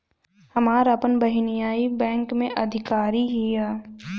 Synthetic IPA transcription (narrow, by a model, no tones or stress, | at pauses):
hɐmaːɾapənbɐɦɪnɪjaːibɛ̃ːŋkmẽʔɐd̪ʱɪkaːɾiɦijaː